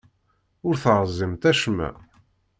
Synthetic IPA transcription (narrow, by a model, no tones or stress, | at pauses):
ʊɾθʁəzˤːimt̪æʃmæ̰